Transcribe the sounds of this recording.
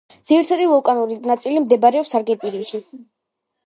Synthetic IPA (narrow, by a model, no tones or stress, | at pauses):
d̪z̥iɾt̪ʰad̪ivɔlˠkʼanuɾinat̪sʼilimd̪ɛbaɾɛɔpsaɾɡɛt̪ʼiɾiʃi